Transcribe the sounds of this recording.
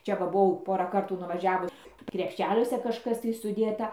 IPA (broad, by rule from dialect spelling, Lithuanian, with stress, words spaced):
ˈt͡ʃʲɛ ˈʋɐ bʊˈʋɐʊ ˈpoːrɑː ˈkɐrtuː nʊʋɐˈʒʲæːʋʊ krʲɛpʲˈʃʲæːlʲuɔsʲɛ kɐʃˈkɐs tɐɪ sʊˈdʲeːtɐ